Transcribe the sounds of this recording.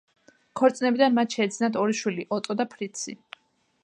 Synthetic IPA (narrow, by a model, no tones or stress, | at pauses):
kʰɔɾt̪sʼnɛbid̪anmat̪ʰʃɛːd̪znat̪ʰɔɾiʃwiliʔɔt̪ʼɔd̪apʰɾit̪sʰḭ